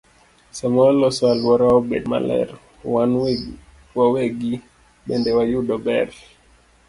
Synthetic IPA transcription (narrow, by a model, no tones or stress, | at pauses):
samɔlɔswalwɔɾaɔbɛdma̰lɛ̰ɾ | wan | wawɛɡi | ɓɛndɛwajuɗɔbɛɾ